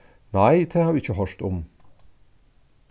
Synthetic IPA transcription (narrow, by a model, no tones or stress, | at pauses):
næɪd̪ʰeːhɑːɾɪçəɦœʂt̪ɔm